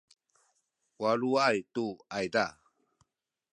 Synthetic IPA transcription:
waluajtuajda

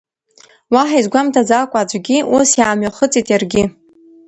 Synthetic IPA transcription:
waħajzɡʷamtʰad͡zakʷʼad͡ʒʷɡʲiʔusjaːmɥaχət͡sʼitʼjarɡʲɪ

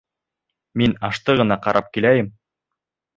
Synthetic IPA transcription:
minɑʃt̪ɤʁɤ̆nɑqɑɾʔɑp̚kilæjɘm

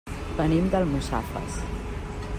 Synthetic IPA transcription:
bənimd̪əlˠmusa̰fə̰s

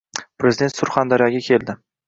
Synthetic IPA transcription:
pɾe̞zɪd̪ent̪sʊɾχand̪aɾijaɡʲakʲʰe̞lˠd̪ɪ

